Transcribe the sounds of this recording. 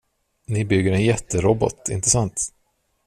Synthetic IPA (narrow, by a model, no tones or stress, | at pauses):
nɪbʏɡːəɾɛnjɛt̪ːəɾɔbɔ̰t̪ɪ̰nt̪əsant̪